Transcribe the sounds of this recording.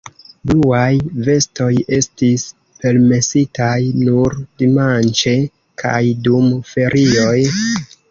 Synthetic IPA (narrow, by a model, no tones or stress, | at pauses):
bluajve̞sto̞je̞stis | pe̞lme̞sitajnuɾdimant͡ʃe̞ | kʰa̰jdumfe̞ɾʔio̞j